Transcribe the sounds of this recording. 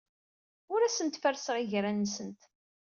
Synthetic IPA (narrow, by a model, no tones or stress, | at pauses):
ʊɾæsənt̪fəɾsəʁiʝɾænːəsənt̪